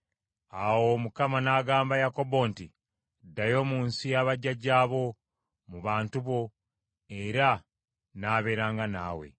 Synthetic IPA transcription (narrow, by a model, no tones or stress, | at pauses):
awo̞mukamanaːɡaːmbajako̞bo̞nti | dajo̞ːmuːnsijaβaɟaɟaːβo̞ | muβaːntuβo̞ | e̞ɾa | naːβe̞ːɾaːŋɡana̰ːwe̞̰